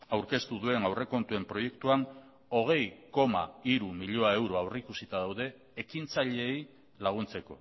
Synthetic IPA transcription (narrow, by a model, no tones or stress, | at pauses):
awɾke̞st̪uðue̞nawre̞ko̞nt̪ue̞mpɾo̞je̞kt̪uan | o̞ɣ̞e̞jko̞ma̰iɾumiʎoae̞wɾo̞awreikusit̪aðawðe̞ː | kint͡saʎe̞ːj | laɣ̞unt͡se̞ko̞̰